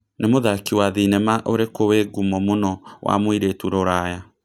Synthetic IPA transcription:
nemoðakiwaðinɛmaʔoɾekoweɡumɔmonɔwʔa̰mwiɾetuɾoɾaja

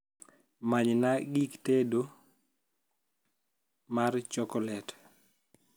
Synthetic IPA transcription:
maɲnaɡiktedo | mart͡ʃɔkɔlɛt

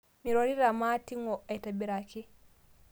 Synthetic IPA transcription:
miɾoɾiɾamaːtiŋɔajtabiɾaki

